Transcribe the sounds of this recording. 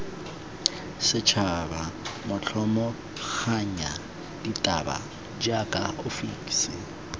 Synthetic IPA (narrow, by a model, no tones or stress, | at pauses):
sɪt͡ʃʰabamʊt͡ɬʰɔmɔ | k͡xʰaɲa | ditʼaba̰ | d͡ʒakʼaʔʊfikʼsɪ